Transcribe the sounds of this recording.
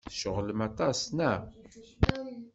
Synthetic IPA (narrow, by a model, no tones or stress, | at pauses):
θʃəʁləmɑt̪ˤɑsnæ